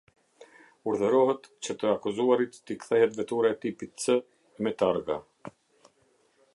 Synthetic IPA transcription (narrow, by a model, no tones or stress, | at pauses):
uɾðəɾɔhət̪t͡ɕət̪əakuzuaɾit̪t̪ikθɛɦɛt̪vɛt̪uɾaɛt̪ipit̪t͡sə | ɛmɛt̪aɾɡa̰